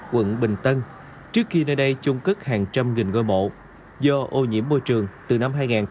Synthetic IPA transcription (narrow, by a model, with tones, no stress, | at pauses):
kwə̰˧˨nɓï˨˩ŋ̟t̪ə˧n | t͡ɕɨ˦˥əkxi˧nəː˧jɗə˧jt͡ɕʊ˧ŋ͡mkɨ˦˥k̚haː˨˩ŋt͡ɕa˧mŋï˨˩ŋ̟ŋo˧˩jmo̰˧˨ | zɔ˧ʔo˧ɲḭ˧˥əmːo˧jt͡ɕɨ˨˩əŋt̪ɨ˨˩na˧mɦaː˧jŋaː˨˩n